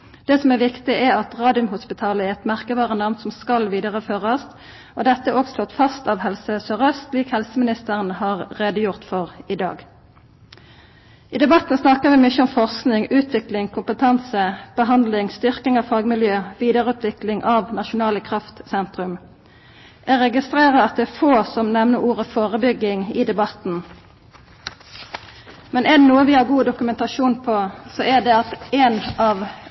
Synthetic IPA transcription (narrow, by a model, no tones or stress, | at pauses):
d̪̥ɛːsɔmæʁʋɪkt̪ɪæɑt̪ʁɑːd̪ɪʉmhʊspɪt̪ʰɑːləɛʁɛt̪mæʁkəʋɑːʁənɑʋnsɔmskɑlʋiːd̪əʁəføːʁɑs | od̪ɛt̪ːəoːɡsloːt̪fɑst̪ɑʋhɛlsəsøʁəst̪liːkhɛlsəmɪnɪst̪əʁənhɑːʁʁeːd̪əjʊʁt̪fɔʁɪd̪ɑ̰ːɡ | iːd̪ɛbɑt̪ːnsnɑkəʋɪmʏçəɔmfɔʁsknɪŋʉːt̪ʰʋɪklɪŋkʰʊmpət̪ʰɑnsəb̥əɦɑnd̪lɪŋst̪ʏʁkɪŋɑʋfɑːɡmɪljøːʋiːd̪əʁəʉːt̪ʰʋɪklɪŋʔɑʋnɑʃʊnɑːləkʰʁɑft̪sɛnt̪ʁʉm | ʔɛʁɛɡɪst̪ʁeːʁəɑt̪̚d̪ɛːfoːsɔmnɛʋnəuːʁəfoːʁəbʏɡɪŋɪd̪ɛbɑt̪n̩ | mɛnɛd̪ɛnuːəʋɪhɑːɡuːd̪ʊkʉmɛnt̪ɑʃuːnpʰoːsoːʔæd̪ɛɑt̪eːnɑʋ